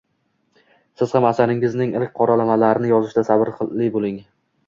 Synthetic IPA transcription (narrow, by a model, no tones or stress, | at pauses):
sɪz̥hamasaɾɪŋɪznɪŋɪlk̚ʲqʰɒɾalamalaɾɪnɪjɒzɪʃd̪asabɪɾqʰɨːɪbolˠɪŋ